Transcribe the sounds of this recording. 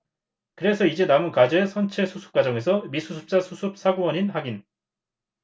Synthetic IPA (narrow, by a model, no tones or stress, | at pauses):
kɯɾe̞sʰʌid͡ʑe̞namɯnkad͡ʑʌe̞sʰʌnt͡ɕʰe̞sʰusʰu̥p̚k͈ad͡ʑʌŋe̞sʰʌmisʰusʰu̥p̚t͡ɕ͈asʰusʰup̚sʰaɡowʌɲinhaɡin